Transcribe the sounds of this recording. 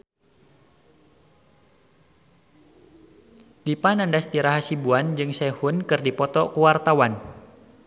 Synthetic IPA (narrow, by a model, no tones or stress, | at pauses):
dipanandast̪iɾaɦasibuand͡ʒɨŋsɛhunkɨrdipɔt̪ɔkuwart̪awan